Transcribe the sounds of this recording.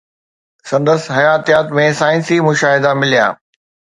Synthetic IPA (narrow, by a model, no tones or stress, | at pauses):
sɐ̃nd̪əsɦɐjaːt̪ijaːt̪mẽsaːɪ̃nsimʊʃaːɦɪd̪amɪlija̰ː